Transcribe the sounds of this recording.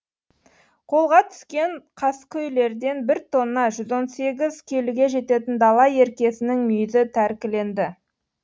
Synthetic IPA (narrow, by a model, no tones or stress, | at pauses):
qʰo̞lˠʁɑt̪ʰʏ̥skʲe̞ɴqʰɑskʲʰɵjle̞ɾd̪e̞nbɪɾt̪ʰo̞nːɑʒʏzo̞nse̞ɡʲɪzkʲʰe̞luɡʲe̞ʒe̞t̪e̞t̪ɪnd̪ɑlˠɑje̞ɾkʲe̞sɪnɪŋmʏjzɪt̪ʰæɾkʲɪle̞nd̪ɪ